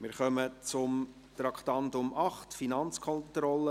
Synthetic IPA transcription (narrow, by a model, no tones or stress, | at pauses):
mɪɾχœmət͡sʊm | t̪ɾɑkʰt̪ɑntʊmʔɑχtfinɑnt͡skʰɔntɾɔlə